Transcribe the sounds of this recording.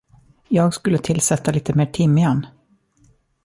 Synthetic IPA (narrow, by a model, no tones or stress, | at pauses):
jɑːɡskɵlːət̪ʰɪlsɛt̪ːaliːt̪əmeːʈʰɪmːɪɛn